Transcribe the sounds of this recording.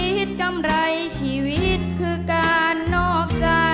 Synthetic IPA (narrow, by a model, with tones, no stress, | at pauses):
i˦˥t̪̚ka˧mɾa˧jt͡ɕʰiː˧˩wi˦˥t̪̚kʰɯː˧kaː˧nːɔː˥˩k̚t͡ɕaː˧˩